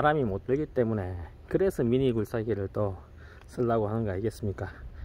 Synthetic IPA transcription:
aɾamimot͈ɯɭɡit͈e̞mune̞ | kɯɾe̞sʰʌmiɲiɡuɭs͈aɡiɾɯɭt͈ʌ | s͈ʰɯɭːaɡoɦanɯnɡʌaiɡe̞s͈ɯmɲik͈a

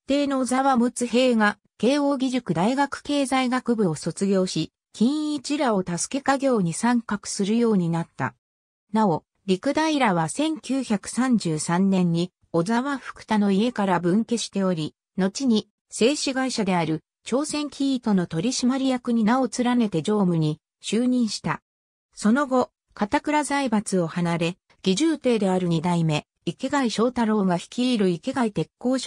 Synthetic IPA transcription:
t̪ːe̞ːno̞ːzaβamɯ̟t͡sɨɦe̞ːɡa | ke̞ːo̞ːɡʲiʑɨkɯ̟d̪aiɡakɯ̟̥ke̞ːzaiɡakɯ̟bɯ̟o̞so̞t͡sɨɡʲo̞ːɕi | kʲĩɰ̃it͡ɕiɾao̞t̪asɨ̥ke̞kaɡʲo̞ːɲ̟isãŋkakɯ̟̥sɨɾɯ̟jo̞ːɲ̟inat̪ːa̰ | nao̞ | ɾʲikɯ̟d̪aiɾaβ̞asẽ̞ŋkʲɨːçakɯ̟̥sãɲ̟d͡ʑɨːsãnːẽ̞ɲ̟ːi | o̞zaβaɸɯ̥kɯ̟̥t̪ano̞ie̞kaɾabɯ̟̃ŋke̞ɕi̥t̪e̞o̞ɾʲi | no̞t͡ɕiɲ̟i | se̞ːɕiɡaiɕad̪e̞aɾɯ̟ | t͡ɕo̞ːsẽ̞ŋkʲʰiːt̪o̞no̞t̪o̞ɾʲiɕimaɾʲijakɯ̟ɲ̟inao̞t͡sɨɾane̞t̪e̞d͡ʑo̞ːmɯ̟ɲ̟i | ɕɨːɲ̟ĩɰ̃ɕi̥t̪a | so̞no̞ɡo̞ | kat̪akɯ̟ɾazaibat͡sɨo̞hanaɾe̞ | ɡ̥ʲiʑɨːt̪e̞ːd̪e̞aɾɯ̟ɲ̟id̪aime̞ | ike̞ɡaiɕo̞ːt̪aɾo̞ːɡaçi̥kʲiːɾɯ̟ike̞ɡait̪e̞kːo̞ːɕ

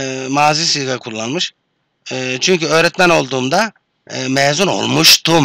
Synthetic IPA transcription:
maːziːsiɡakʰulˠːanmɯʃː | t͡ʃʰyɲcyø̞ːɾɛt̪mæno̞lˠd̪uːmd̪a | mɛːzuno̞̰lˠmuʃt̪ʰum

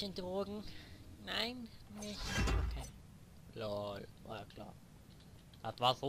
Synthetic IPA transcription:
əndʁoːɡŋ̩naɪnnɪçtokʰeː | lalva̰ːakʰla̰ːɐ | a̰tvaːzo

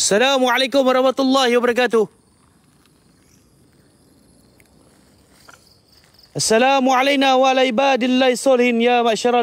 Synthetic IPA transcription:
asːalaːmʕalajkʊmwɑɾˤɑhmat̪ʊlˤːɑːhɪwabaɾˤɑk̬aːt̪ʊ | ʔasːalaːmuʕalajnaːwaʔalaːʕɪbaːd̪alːaːhɪsˤːɑːlɪhɪnjaːmaʔʃɑɾˤɑ

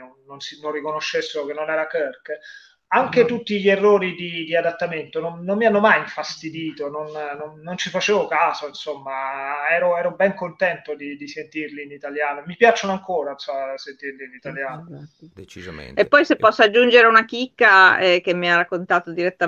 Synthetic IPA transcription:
onːonsinonrːikonoʃːesːeɾokenːonɛːɾakərk | aŋk̟et̪ut̪ːiʎierːoːɾid̪id̪iad̪at̪ːament̪ononːomːianːomajiɱfast̪id̪iːt̪ononnonːont͡ʃifat͡ʃeːvokaːzoinsomːaɛːɾoɛːɾobɛŋkont̪ɛnt̪od̪id̪isent̪irliːnit̪aljaːnomipjat͡ʃːonoaŋkoːɾansasent̪irliːnit̪aljaːnt͡ʃepːɔjsepːɔsːoad͡ʒːund͡ʒeɾeunak̟ikːaɛk̟emːiarakːont̪aːt̪od̪iɾet̪ːa

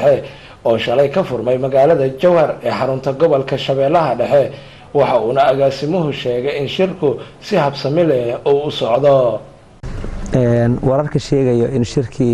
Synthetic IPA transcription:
ɛ | ɔːʃɐlɛjkʰɐfʊrmɛjmɐɣaːlɐðɐt͡ʃɔwhɐrɛːħɑɾʊnt̪ʰɐɡɔβɔlkʰɐʃɐβɛːlɐɦɐɖɛħɛ | wɑħɑuːnɐɐɣaːsɪmʊɦʊʃɛːɣɛjɪnʃɪrkʰʊsɪhɐbsɐmɪlɛuːʊsɔʕd̪ɔ | ʔɛnwɐɾɐrkʰɐʃɛːɣɛjɔʔɪnʃɪrkʰiː

